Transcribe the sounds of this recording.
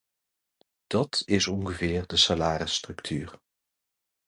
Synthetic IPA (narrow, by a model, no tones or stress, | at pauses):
d̥ɑtɪsɔŋχəvɪːɹdəsalaːɾəstrɵktʰyːɹ